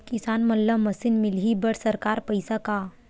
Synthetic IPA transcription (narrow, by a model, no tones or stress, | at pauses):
kisanməlːəməsinmilɦibəɽsəɾkaɾpəjsaka